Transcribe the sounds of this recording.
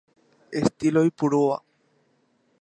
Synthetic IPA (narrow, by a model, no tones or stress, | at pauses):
est̪ilojpuɾoa̰